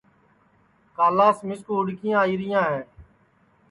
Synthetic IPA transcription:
kaːlaːsmɪskoːɦʊɽkɪjãːiːɾɪjãːɦɛ̃ː

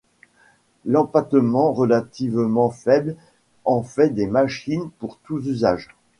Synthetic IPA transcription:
lɑ̃pat̪əmɑ̃ʁəlat̪ivmɑ̃fɛbl | ɑ̃fɛd̪emaʃinpuʁt̪uzyzaʒ

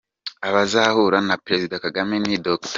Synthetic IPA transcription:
aβazahuɾanapɾe̞zidakaɡamenidokt

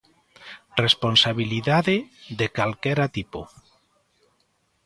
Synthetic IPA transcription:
responsaβiliðaðeðekalkɛɾat̪ipo̰

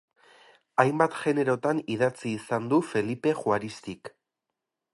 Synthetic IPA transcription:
ajmbat̪ʝe̞ne̞ɾo̞t̪aniðat͡siːsand̪ufe̞lipe̞xuaɾist̪ik

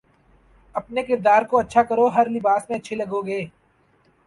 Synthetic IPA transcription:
ɐpnekɪɾd̪aːɾkoɐtːʃʰakɐɾoɦɐɾlɪbaːsmẽɐtːʃʰelɐɡoɡeː

